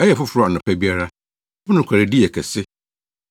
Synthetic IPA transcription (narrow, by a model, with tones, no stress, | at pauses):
ɛ˦jɛ˨fʊ˦fʊ˨ɾɔ˦˨a˨nʊ̃˨pʰæ˦bi˦a˦ɾa˦ | mʊ̃˦nʊ̃˨kʰa˨ɾɪ˨di˦ɛ˨kʰɛ˨sɪ˦